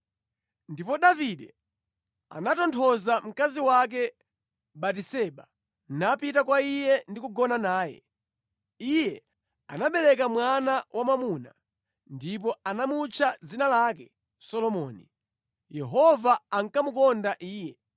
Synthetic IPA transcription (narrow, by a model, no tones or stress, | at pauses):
ndipɔɗaviɗɛ | a̰natɔntʰɔzam̩kaziwak̬ɛ | ɓatisɛɓa | napitakwaijɛndikuɡɔnanaːjɛ̰ | ijɛ | anaɓɛlɛk̬amwanawʔamamuna̰ | ndip̬ɔanamut͡ʃʰad͡zinalakɛ | sɔlɔmɔːni | jɛɦɔvaaŋkamukɔndaʔiːjɛ